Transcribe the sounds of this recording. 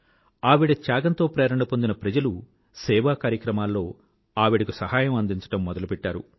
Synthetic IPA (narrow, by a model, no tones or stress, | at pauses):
aːʋiɽɐt͡ʃjaːɡɐnt̪o̞ːpɾɛːɾɐɳɖɐpond̪inɐpɾɐd͡ʒɐlu | sɛːʋaːkaːɾjɐkɾɐmaːlːo̞ː | aːʋiɽɐkusɐɦaːjɐmɐnd̪iɲt͡ʃɐ̥ʈɐmːɔd̪ɐlupɛʈːaːɾṵ